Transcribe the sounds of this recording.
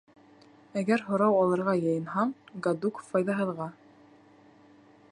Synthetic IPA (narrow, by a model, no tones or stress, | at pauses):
æɡæɾɦŏɾɑwɑlˠɤ̆ɾʁɑjɤ̆jɤ̆nɦɑɴɡad̪ukfɑjðɑɦɤ̆ðʁɑ